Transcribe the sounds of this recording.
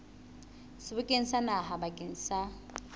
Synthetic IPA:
sɪbʊkʼen̩sanaɦabakʼen̩sa

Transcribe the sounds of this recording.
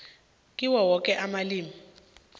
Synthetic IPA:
kʼiwɔwɔkʼɛʔamaliːmi

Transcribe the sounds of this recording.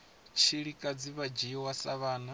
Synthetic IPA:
t͡ʃʰiɺikʼad͡ziβad͡ʒijɔwasaβaːna

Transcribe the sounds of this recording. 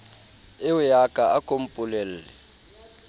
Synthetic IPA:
ɪʊjakʼaakʼom̩pʼʊlel̩ːlɛ

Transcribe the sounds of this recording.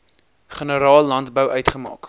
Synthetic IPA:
χənəɾɑːlːɐntbəwœɥtχəmɑ̰ːk

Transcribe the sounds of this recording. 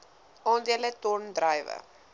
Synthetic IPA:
ʔɔndiələtɔndrəjvə̰

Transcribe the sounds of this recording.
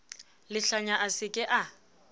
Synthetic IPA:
lɪɬaɲaʔasɪkʼɪʔa

